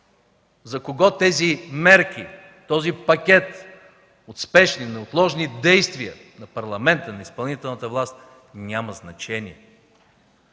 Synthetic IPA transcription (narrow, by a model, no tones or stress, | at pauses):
zɐkoɡɔt̪ɛzimɛɾk̟ʲi | t̪ɔzipɐkʲɛt̪ | ot̪spɛʃninɛot̪lˠɔʒnid̪ɛjst̪viə | nɐpɐɾlˠɐmɛnt̪ənɐispɐlˠnit̪ɛlˠnət̪əvlˠast̪ | nʲaməznɐt͡ʃɛniɛ